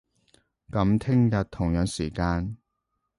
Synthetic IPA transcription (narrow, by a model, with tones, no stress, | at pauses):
kɐ˨˥mt̪ʰɪ˥ŋjɐ˨t̚t̪ʰːʊ˨˩ŋjœː˨˥ŋsiː˨˩kaː˧n